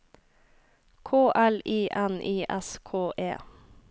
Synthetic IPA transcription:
kʰoːʔæliːʔɛnʔiːʔɛskʰoːʔḛː

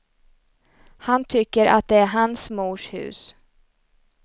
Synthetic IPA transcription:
hant̪ʰʏkːəɾʔa̰t̪̚d̪ɛæɾɦansmuːʂhʉ̟̰ːs

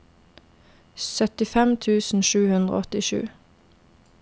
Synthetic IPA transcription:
sœt̪ɪfɛmt̪ʰʉːsn̩ʃʉːhʉnd̪ʁə̰ɔt̪ɪʃʉ̰ː

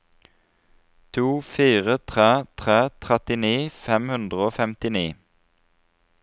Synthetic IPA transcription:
t̪ʰuːfiːʁət̪ʰʁeːt̪ʰʁeːt̪ʰʁɛt̪ɪniːfɛmhʉnd̪ʁəoːfɛmt̪ɪniː

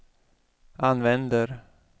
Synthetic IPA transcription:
ʔanvɛnd̪əɾ

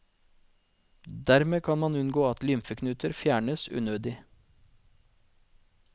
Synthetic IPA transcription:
d̪æɾmeːkʰɑnmɑnʉnɡoːɑt̪lʏmfəkʰnʉːt̪ʰəɾfjæːɳəsʉ̰ːnøːd̪ɪ

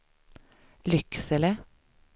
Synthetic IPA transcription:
lʏksələ

